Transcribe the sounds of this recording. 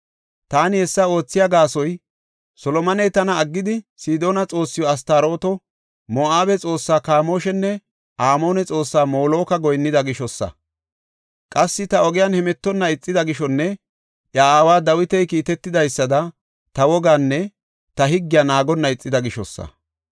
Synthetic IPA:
t̪aːnɪhɛsːɐo̞ːt͡sːɪjaɡaːsɔj | sɔlɔmɐnɛjt̪ɐnɐːɡːɪd̪ɪsiːd̪o̞ːnɐt͡sʼo̞ːsːɪjɔɐs̬t̪aːɾo̞ːt̪ɔ | mɔaːbɛt͡sʼo̞ːsːaːkaːmo̞ːʃɛnːɛ | ʔaːmo̞ːnɛt͡sʼo̞ːsːaːmoːlo̞ːkɐɡɔjnːɪd̪ɐɡɪʃɔsːɐ̰ | kʼɐsːɪt̪ɐɔɡɪjɐnhɛmɛt̪ːɔnːɐɪt͡sʼːɪd̪ɐɡɪʃɔnːɛ | ʔjɐaːwaːd̪ɐwɪt̪ɛjkiːt̪ɛt̪ːɪd̪ɐjsːɐd̪ɐ | t̪ɐwɔɡaːnːɛ | t̪ɐɦɪɡːɪjɐnaːɡɔnːɐɪt͡sʼːɪd̪ɐɡɪʃɔsːɐ̰

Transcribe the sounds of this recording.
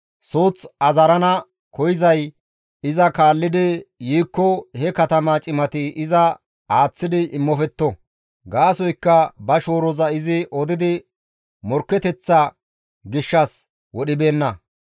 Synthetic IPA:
soːt͡sɐzɐɾɐnɐ | kɔjɪzɐj | ɪzɐkaːlːɪd̪ɪjiːkːɔhɛkɐt̪ɐmɐt͡ʃʼɪmɐt̪ɪʔɪzɐ | aːt͡sːɪd̪ɪʔɪmːɔfɛt̪ːɔ | ɡaːsɔjkːɐbɐʃo̞ːɾɔzɐɪzɪʔɔd̪ɪd̪ɪ | mɔɾkːɛt̪ɛt͡sːɐ | ɡɪʃːɐs | wɔɗɪbe̞ːnːɐ

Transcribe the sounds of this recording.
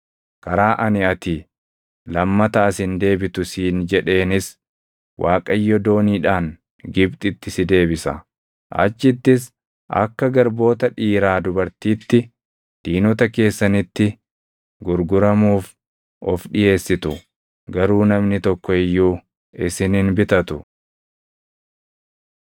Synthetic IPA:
kɐɾaːʔɐnɪɐt̪iː | lɐmːɐt̪ɐːsɪnd̪e̞ːbɪt̪ʊsiːnd͡ʒɛᶑe̞ːnɪs | wʔaːkʼɐjːɔd̪o̞ːniːᶑaːŋ | ɡɪbt̪ʼɪt̪ːɪsɪd̪e̞ːbɪsɐ̰ | ʔɐ̰t͡ʃːɪt̪ːɪs | ʔɐ̰kːɐɡɐɾbo̞ːt̪ɐᶑiːɾaːd̪ʊbɐɾt̪iːt̪ːɪ | d̪̥iːnɔt̪ɐke̞ːsːɐnɪt̪ːɪ | ɡʊɾɡʊɾɐmuːf | ɔfᶑɪje̞ːsːɪt̪ʊ | ɡɐɾuːnɐmnɪt̪ɔkːɔɪjːuː | ɪsɪnɪnbɪt̪ɐt̪ʊ

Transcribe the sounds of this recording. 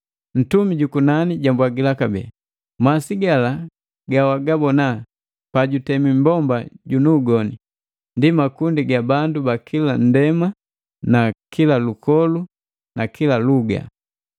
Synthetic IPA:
n̩tumiɟukunaniɟambwaɡilakabɛ̰a | masiɡala | ɡawaɡabɔna | paɟutɛmimbɔmbaɟunuːɡɔnḭ | ndimakundiɡabandubakʰilan̩dɛma | nakʰilalukʰɔlu | nakʰilaluɡa̰

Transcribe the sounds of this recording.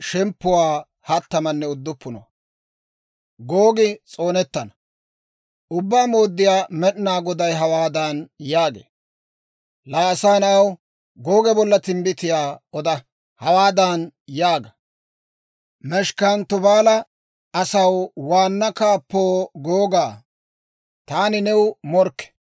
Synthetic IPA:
ʃɛmpːʊwaː | hɐt̪ːɐmɐnːɛʊd̪ːʊpːʊnɔ̰ | ɡoːɡɪt͡sʼo̞ːnɛt̪ːɐnɐ | ʊbːaːmoːd̪ːɪjaːmɛɗnaːɡɔd̪ɐjɦɐwaːd̪ɐnjaːɡḛː | laːsaːnɐw | ɡoːɡɛbɔlːɐt̪ɪmbɪt̪ɪjaːɔd̪ɐ | hɐwaːd̪aːnjaːɡɐ | mɛʃkant̪ɔbaːlɐ | ɐsɐwwaːnːɐkaːpːoːɡoːɡaː | t̪aːnɪnɛwmɔɾkːɛ̥

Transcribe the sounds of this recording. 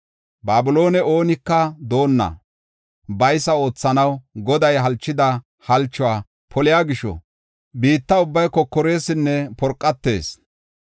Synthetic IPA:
baːbʊlo̞ːnɛo̞ːnɪkːɐd̪o̞ːnːɐ̰ | bɐjsɐo̞ːt͡sːɐnɐwɡɔd̪ɐjɦɐlt͡ʃːɪd̪ɐ | hɐlt͡ʃːʊwaː | pʰɔlɪjaːɡɪʃɔ̰ | biːt̪ːɐʊbːɐjkɔkːɔɾe̞ːsɪnːɛpɔɾkʼːɐt̪ːe̞ːs

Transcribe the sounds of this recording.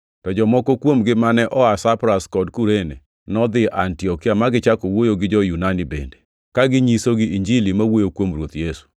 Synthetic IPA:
tɔd͡ʒɔmɔkokwomɡɪmanɛʔɔasapɾaskɔdkuɾene | nɔd̪ɪʔantiɔkɪamaɡɪt͡ʃakowojoɡɪd͡ʒɔjunanibḛnde̥ | kaɡɪɲisoɡɪiɲd͡ʒilimawojokwomɾwot̪jesu̥

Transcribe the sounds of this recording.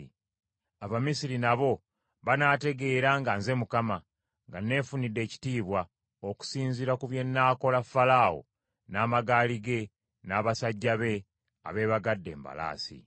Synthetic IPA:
aβamisiɾinaβo̞ | βanaːte̞ɡe̞ːɾaŋɡanze̞mukama | ŋɡane̞ːfunidːe̞ːci̥tiːβwa | oku̥siːnziɾakuβje̞nːaːko̞lafːalawo̰ | naːmaɡaːliɡe̞ | naːβasaɟːaβe̞ | a̰βe̞ːβaɡadːe̞̰ːmba̰la̰ːsḭ

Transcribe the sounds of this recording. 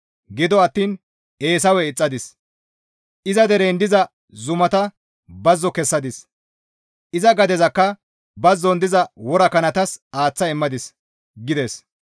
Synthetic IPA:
ɡɪd̪ɔɐt̪ːiːn | e̞ːs̬ɐwɛɪt͡sʼːɐd̪ɪs | ʔɪzɐd̪ɛɾeːnd̪ɪzɐ | zʊmɐt̪ɐ | bɐzːɔkɛsːɐd̪ɪs | ʔɪzɐɡɐd̪ɛzɐkːɐ | bɐzːɔnd̪ɪzɐwɔɾɐkɐnɐt̪ɐsaːt͡sːɐɪmːɐd̪ɪs | ɡɪd̪ɛs

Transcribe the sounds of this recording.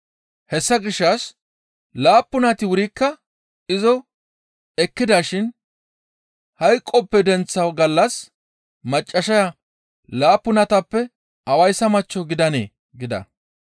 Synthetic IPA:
hɛsːɐɡɪʃːɐs | laːpːʊnɐt̪ɪwʊɾɪkːɐ | ɪzɔ | ɛkːɪd̪aːʃɪn | hɐjkʼːɔpːɛd̪ɛnt͡sːɐwɡɐlːɐs | mɐt͡ʃʼːɐʃɐjɐ | laːpːʊnɐt̪ɐpːɛ | ʔɐwɐjsɐmɐt͡ʃːɔɡɪd̪ɐnḛː | ɡɪd̪ɐ̰

